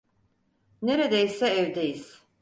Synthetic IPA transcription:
neɾed̪ejsɛːvd̪ejiz̥

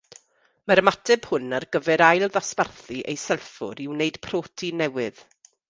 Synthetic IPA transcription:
maɾəmatʰɛb̥hʊnarɡəvɛɾajlˠðasparθiʔḛjsɛlˠfʊ̰ɾiwneɨd̥pʰroːtʰinɛwɪð̥

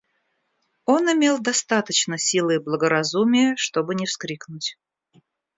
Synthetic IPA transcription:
o̞nɪmʲe̞lˠd̪ɐst̪at̪ət͡ɕnəsʲilˠɨblˠəɡəɾɐzumʲɪjəʂt̪o̞bɨnʲɪfskɾʲiknʊtʲ

